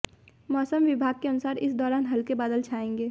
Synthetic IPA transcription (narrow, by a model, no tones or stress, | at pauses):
mɔːsəmʋɪbʱaːɡ̚keɐnʊsaːɾɪsd̪ɔːɾaːnɦɐlkebaːd̪əlt͡ʃʰaːẽːŋɡeː